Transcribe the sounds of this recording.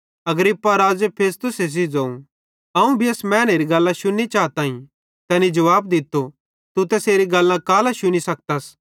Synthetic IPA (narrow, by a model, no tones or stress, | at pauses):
ɐɡɾɪpːaɾaːd͡ʒəpʰeːs̬t̪ʊses̬id͡zãːũ | ɐũbʱiɐsmɛ̃ːñeːɾiɡɐlːãʃʊnit͡ʃaːt̪aːĩ | t̪ɛːnid͡ʒɐʋaːbd̪ɪt̪ːo | t̪ut̪ɛseːɾiɡɐlːãkaːlaʃʊnisɐk̚t̪as